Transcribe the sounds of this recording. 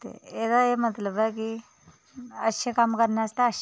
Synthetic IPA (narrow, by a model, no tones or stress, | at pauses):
t̪ḛekaemət̪ləbajki | əɕekamkəɾɳjast̪aəɕ